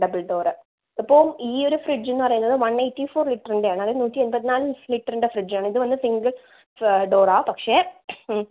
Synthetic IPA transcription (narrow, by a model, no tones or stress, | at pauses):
ɖɐbɐlɖoːrɨ | ɐpːoːmiːo̞ɾufrid͡ʑenːɨpɐrɐjunːɐðɨʋɐnːejʈːifoːrliʈːɐriɳɖejaːɳɨɐðenuːtːienpɐt̪ːinaːlɨliʈːɐriɳɖefrid͡ʑaːɳɨiðɨʋɐnːɨsiŋɡɐɭ | ɖoːɾaːpɐkʂe